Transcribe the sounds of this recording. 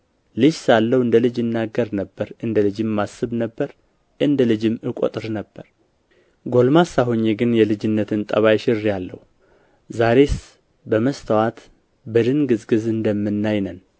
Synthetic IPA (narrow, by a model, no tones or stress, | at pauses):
lɨd͡ʒsalːəwɨnd̪əlɨd͡ʒɨnːaɡəɾnəbːəɾʔɨnd̪əlɨd͡ʒɨmːasɨβnəbːəɾ | ʔɨnd̪əlɨd͡ʒɨmɨkʼo̰t̪ʼɨɾnəbːəɾ | ɡo̞lmasaɦoɲːeɡɨnjɛlɨd͡ʒɪnːət̪ɨnt̪ʼəβajʃɪrjalːə̰hu | zaɾe̞s | bəməst̪ʰəwat̪ | bəd̪ɨnɡɨzɡɨzɨnd̪əmːɨnːajnən